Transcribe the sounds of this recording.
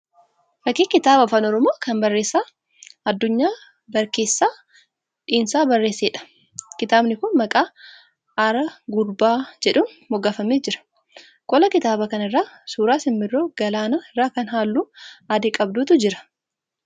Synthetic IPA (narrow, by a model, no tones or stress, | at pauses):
fɐkːiːkɪt̪aːbɐfɐnɔɾɔmoːkɐmbɐrːe̞ːsːaː | ɐd̪ːʊɲːaː | bɐɾke̞ːsːaː | ᶑiːnsaːbɐrːe̞ːsːeːᶑɐ̥ | kɪt̪aːbnɪkʊnmɐkʼaː | ɐɾɐɡʊɾbaːd͡ʒɛᶑʊn | mɔɡɐfɐmeːd͡ʒɪɾɐ̥ | kʼɔlɐkɪt̪aːbɐkɐnɪrːaːsuːɾaːsɪmːɪrːoːɡ̥ɐlaːnaɪrːaːkɐnɦaːlːuːad̪ekʼɐbd̪uːt̪ʊd͡ʒɪɾɐ̥